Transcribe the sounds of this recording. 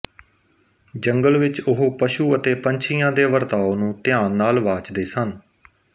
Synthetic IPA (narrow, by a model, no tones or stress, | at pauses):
d͡ʒəŋɡəlʋɪt͡ʃʊɦoːpəʃuːət̪eːpəɲt͡ʃʰɪjãːd̪eːʋəɾt̪aːonũːt̪ɪjãːnːaːlʋaːt͡ʃd̪eːsən